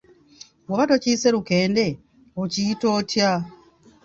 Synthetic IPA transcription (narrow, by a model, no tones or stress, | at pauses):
wuβato̞ciːse̞ɾuke̞ːnde̞ | ociito̞ːtja